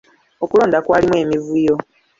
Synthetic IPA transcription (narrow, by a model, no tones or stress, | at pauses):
o̞kulo̞ːndakwaːlimwe̞ːmivujo̞